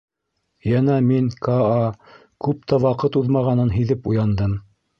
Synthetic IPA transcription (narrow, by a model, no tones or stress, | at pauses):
jænæmiŋkaɑ | kʉp̚t̪ʰæwɑqɤt̪uðmɑʁɑnɤnɦiðɘpujɑnd̪ɤm